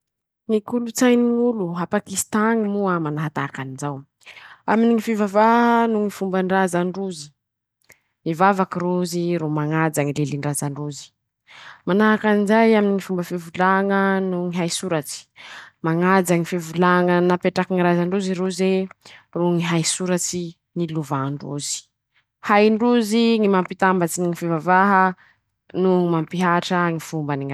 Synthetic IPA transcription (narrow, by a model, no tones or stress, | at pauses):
ŋikulut͡sajniuluɦapakist̪aŋimuamanaɦat̪aakanizaw | aminiŋifivavanuŋifumbəɳrazaɳɖ͡ʐuzi̥ | ivavakiɾuziɾomaŋad͡zaŋileliɳɖ͡ʐazaɳɖ͡ʐuzi̥ | manaɦakanizajaminiŋifumbəfivulaŋənuŋiɦajsuɾat͡ʃi̥maŋad͡zaŋifivulaŋənapeʈ͡ʂakiŋiɾazaɳɖ͡ʐuziɾuzeruŋiɦajsuɾat͡ʃi | niluvaɳɖ͡ʐṵzi̥ | hajɳɖ͡ʐuziŋimampit̪ambat͡siniŋifivavaɦə | nuimampiɦaʈ͡ʂəŋifumbəniŋa